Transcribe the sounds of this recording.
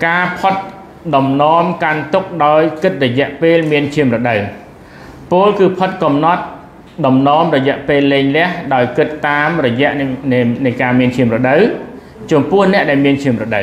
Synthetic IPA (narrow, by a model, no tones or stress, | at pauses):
kaːpʰət̪̚ | ɗɑmnɔəmkant̪ʊk̚ɗaɔjkɨt̪̚rɔjɛ̆əʔpeːlmiənt͡ɕʰiəmrɔɗəw | poːlkɨːpʰət̪̚kɑmnɑt̪̚ | ɗɑmnɔəmrɔjɛ̆əʔpeːlːeːŋlɛ̆əhɗaɔjkɨt̪ːaːmrɔjɛ̆əʔnɨjkaːmiənt͡ɕʰiəmrɔɗəw | t͡ɕɔmpʊ̆əhnɛ̆əʔɗaɛlmiənt͡ɕʰiəmrɔɗə